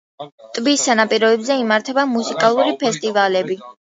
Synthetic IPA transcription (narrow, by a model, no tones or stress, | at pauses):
t̪ʼbisanapʼiɾɔɛbzɛimaɾt̪ʰɛbamusikʼalˠuɾipʰɛst̪ʼivalɛbi